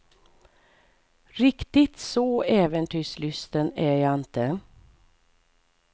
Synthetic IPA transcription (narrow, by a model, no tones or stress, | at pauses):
ɾɪkt̪ɪt̪sɔɛːvənt̪ʰyːʂlʏst̪ənæjɑːɪnt̪ə